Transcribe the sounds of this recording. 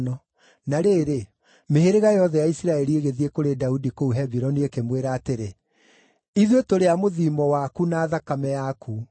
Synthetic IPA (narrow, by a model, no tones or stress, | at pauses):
nɔ | naɾeːɾe | meheɾeɣajɔðɛjaisiɾaɛɾieɣeðiekoɾedaudikouɦɛbiɾɔniekemweɾaːteɾe | iðwetoɾeamoðimɔwakunaːðakamɛjakʰu